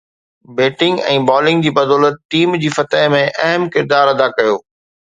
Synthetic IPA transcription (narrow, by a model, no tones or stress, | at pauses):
beːʈɪ̃ŋɡɛ̰̃ːbɔːlɪ̃ŋɡd͡ʑiːbɐd̪ɔːlət̪̚ʈiːmd͡ʑiːfɐt̪əɦmẽʔɐɦəmkɪɾd̪aːɾɐd̪akɐjoː